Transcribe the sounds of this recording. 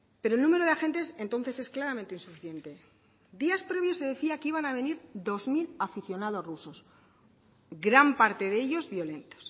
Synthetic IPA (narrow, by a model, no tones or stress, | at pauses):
pe̞ɾolnũme̞ɾo̞ðaxe̞nt̪e̞se̞nt̪onθe̞se̞sklaɾamẽnt̪einsufiθje̞nt̪e̞ | d̪iaspɾe̞βjo̞se̞ðe̞θiakiβ̞anaβ̞e̞niɾd̪o̞zmilafiθjo̞nað̞o̞sruso̞s | ɡɾampaɾt̪e̞ðeʎo̞zβjo̞le̞nt̪o̥s